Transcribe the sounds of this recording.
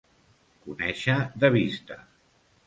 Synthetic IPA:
kunɛʃəðəβ̞ist̪ə

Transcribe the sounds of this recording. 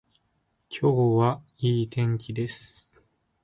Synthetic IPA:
kʲʰo̞ːβa | iːt̪ẽ̞ŋkʲid̪e̞sɨ̥

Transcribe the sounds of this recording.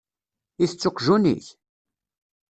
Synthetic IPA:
iθət͡sːoqʒunḭθ

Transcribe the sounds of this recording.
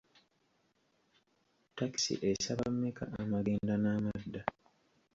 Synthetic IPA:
taki̥sḭʔesaβamːeka̰ʔamaɡeːndanaːmadːa

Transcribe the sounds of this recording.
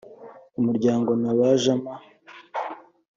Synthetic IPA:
umuɾɟaːŋɡo̞naβaʒama

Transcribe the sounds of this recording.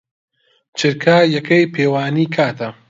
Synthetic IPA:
t͡ʃʰɨɾkʰaːjɐkʰɐjpʰeːwaːniːkʰaːt̪ʰɐ

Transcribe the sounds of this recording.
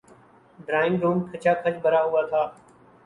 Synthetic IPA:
ɖɾaːɪmɾuːmkʰət͡ʃaːkʰət͡ʃbəɾaːɦʊaːt̪ʰaː

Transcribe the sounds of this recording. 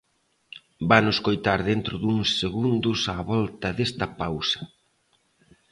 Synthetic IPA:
banʊskojt̪aɾðent̪ɾʊðuŋsːeɣund̪ʊsaβɔlt̪ɐðest̪ɐpawsɐ̥

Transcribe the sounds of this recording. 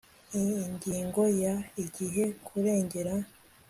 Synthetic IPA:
iɲɟiːŋɡo̞jaiɟiɦe̞kʰuɾe̞ːɲɟe̞ɾa

